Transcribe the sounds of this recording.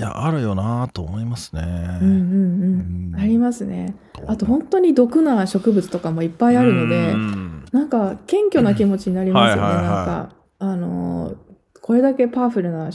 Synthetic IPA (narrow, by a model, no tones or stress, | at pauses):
ja̰ʔaɾɯ̟jo̞nat̪oːmo̞imasɨ̥nḛɯ̟̃ɴɴɯ̟̃ɴɯ̟̃ɴaɾʲimasɨne̞̰ | at̪o̞ɦõ̞nt̪o̞ɲ̟id̪o̞kɯ̟naɕo̞kɯ̟bɯt͡sɨ̥t̪o̞kamo̞ipːaiaɾɯ̟no̞d̪e̞nãŋkakẽ̞ŋkʲo̞nak̬ʲimo̞t͡ɕiɲ̟inaɾʲimasɨɨne̞nãŋka̰ | ano̞̰ | ko̞ɾe̞d̪ake̞paːɸɯ̟ɾɯ̟na